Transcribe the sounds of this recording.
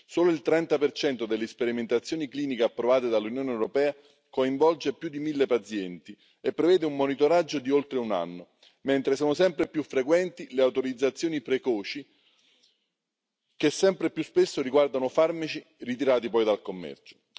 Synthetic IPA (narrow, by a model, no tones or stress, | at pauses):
soːloilt̪ɾɛnt̪apert͡ʃɛnt̪od̪elːespeɾiment̪at̪sːjoːnikliːnikeapːɾovaːt̪ed̪alːunjoːneɛwɾopɛːa | koiɱvɔld͡ʒepjud̪imilːepat̪sjɛnt̪i | epːɾevɛːd̪eumːonit̪oɾad͡ʒːod̪iolt̪ɾeuna̰nːo | ment̪ɾesoːnosɛmpɾepjufːɾekwɛnt̪ileawt̪oɾid̪zːat̪sːjoːnipɾekɔːt͡ʃi | kesːɛmpɾepjuspesːoɾiɡward̪anofarmat͡ʃi | rit̪̬iɾaːt̪ipɔjd̪alkomːɛ̰rt͡ʃo̥